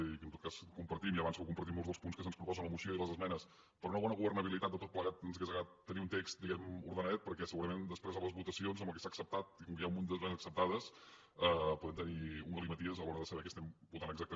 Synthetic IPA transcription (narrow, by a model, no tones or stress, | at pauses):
kənt̪ot̪kaskumpəɾt̪imjiəβansβɛwkumpəɾt̪imolˠzðəlˠspunskəs̬ənspɾupɔzənləmuʃiləiləzəzmɛnəs | pɾɔunəβɔnəɣuβərnəβilit̪at̪̚d̪ət̪ot̪pləɣat̪ənzɣɛzəɣat̪ːəniunt̪ekst̪d̪iɣɛmṵɾðənɛt̪̚pəɾkɛsəɣuɾəmend̪əspɾezaləzβut̪əsionzəmbəlˠkəsaksəp̚t̪at̪̚ikɔŋkəjaumund̪əzmɛnzəksəp̚t̪aðəs | ɛpuðɛmt̪əniuŋɔlˠimət̪iəzəlɔɾəðəsəβɛkəst̪ɛmbut̪anəɡzak̚t̪ə